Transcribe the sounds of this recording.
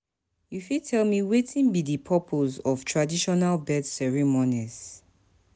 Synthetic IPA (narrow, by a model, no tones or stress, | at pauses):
jufitʰɛlmiwetʰĩnbidipʰɔpʰozɔv̥tʰɹadiʃɔnalbɛdsɛɹimɔniz